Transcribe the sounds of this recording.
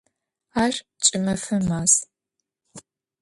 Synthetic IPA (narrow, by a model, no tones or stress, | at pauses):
aːʒ | t͡ʃʼɪmɐfɐmaːz